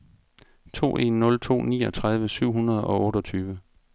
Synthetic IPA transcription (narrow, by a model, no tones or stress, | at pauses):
t͡sʰo̝̰ːʔe̝̰nːɔ̽lt͡sʰo̝̰ːnḭːɒ̽t͡sʰʁaðˠʋəsyʊ̰ɦunɐð̞ˠɒ̽ʔɔ̽ːɾɒt͡sʰyːʋə